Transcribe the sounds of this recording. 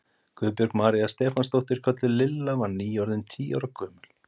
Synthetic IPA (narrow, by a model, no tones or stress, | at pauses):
kʰʏːpjɔɾkmaːɾijast̪ɛːfanst̪owht̪ɪɾ̥kʰœt̪lɪlɪlːavaɾniːjɔɾðɪnt̪ʰiːawɾakʰœːmʏl̥